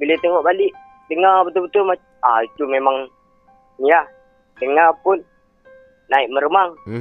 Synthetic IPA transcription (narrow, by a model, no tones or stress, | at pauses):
bilet̪eŋɔʔbalɪʔ | d̪əŋabət̪ʊbət̪ʊlma | ait̪umemaŋ | nia | dəŋapʊnː | aiʔməɾəmaŋ